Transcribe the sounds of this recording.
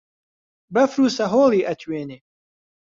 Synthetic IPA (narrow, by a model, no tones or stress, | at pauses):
bɐfɾuːsɐɦoːlˠiːʔɐt̪ʰweːne